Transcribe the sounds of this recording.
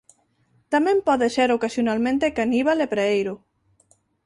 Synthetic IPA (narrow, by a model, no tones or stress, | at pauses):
t̪amẽmpɔðeseɾokasjonalmẽnt̪ekaniβalepɾeejɾo